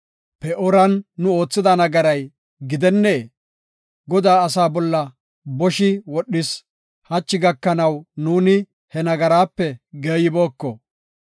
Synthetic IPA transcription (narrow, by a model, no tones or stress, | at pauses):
pɛʔɔɾɐnːʊo̞ːt͡sːɪd̪ɐnɐɡɐɾɐj | ɡɪd̪ɛnːeː | ɡɔd̪aːɐsaːbɔlːɐ | bɔʃɪwɔɗːɪs | hɐt͡ʃːɪɡɐkːɐnɐwnuːnɪ | hɛnɐɡɐɾaːpːɛɡeːjɪbo̞ːkːɔ